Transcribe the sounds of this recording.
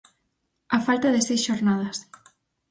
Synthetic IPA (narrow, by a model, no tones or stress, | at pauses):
afalt̪aðesejsʃoɾnað̞as